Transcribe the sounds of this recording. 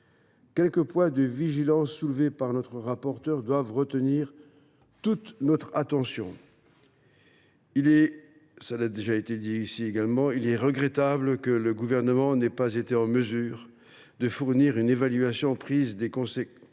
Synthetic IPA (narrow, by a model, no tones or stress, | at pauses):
kʲɛlkəpwɛ̃d̪əviʒilɑ̃sːulvepaʁnɔt̪χəʁapɔʁt̪œʁd̪wavʁət̪əniʁ | t̪ut̪nɔt̪χat̪ɑ̃sjɔ̃ | ilɛ | səlad̪eʒaet̪ed̪iisieɡalmɑ̃ilɛʁəɡʁɛt̪abləkələɡuvɛʁnəmɑ̃nɛpazet̪eɑ̃məzyːʁ | d̪əfuʁniʁynevalɥasjɔ̃pχizd̪ekɔ̃sɛ